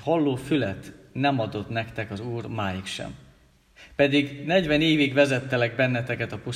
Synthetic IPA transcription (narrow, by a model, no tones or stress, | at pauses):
hɒlːoːfylɛt̪nɛmɒd̪o̞t̪nɛkt̪ɛkɒzuːrmaːjikʃɛ̰m | pɛd̪iɡnɛɟʋɛneːviɡʋvɛzɛt̪ːɛlɛɡbɛnːɛt̪ɛkɛt̪ɒpu